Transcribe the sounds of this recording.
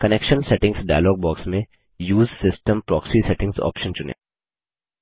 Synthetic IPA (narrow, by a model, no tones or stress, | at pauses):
kɐnekʃə̃nsɛʈɪ̃ŋɡsɖaːɪlɔːɡ̚bɔːksmẽ | juːzsɪsʈə̃mpɾɔːksisɛʈɪ̃ŋɡsɔ̰ːpʃə̃nt͡ʃʊnḛː